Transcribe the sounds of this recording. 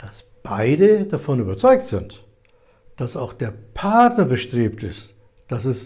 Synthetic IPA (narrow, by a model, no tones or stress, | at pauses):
d̥as | b̥aɪdəd̥afɔnyːbɐt͡sɔʏk̚tz̥ɪnt | d̥asaʊxd̥eːɐpʰaɐtnɐbəʃtʁ̥eːp̚tɪst | d̥asɛs